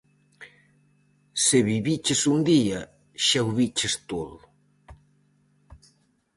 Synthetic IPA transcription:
seβiβit͡ʃesund̪iɐ | ʃawβit͡ʃɪst̪oðʊ

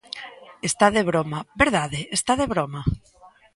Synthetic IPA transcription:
est̪aðeβɾomabeɾðaðeːst̪aðeβɾoma

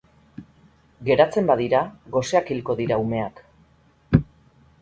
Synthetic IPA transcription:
ɡe̞ɾat͡se̞mbaðiɾaɣo̞se̞akilko̞ðiɾaume̞ak

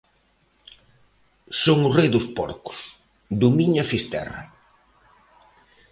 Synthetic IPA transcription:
soŋʊrejðʊspɔ̰ɾkʊ̥s | d̪umiɲafist̪ɛ̰rɐ̰

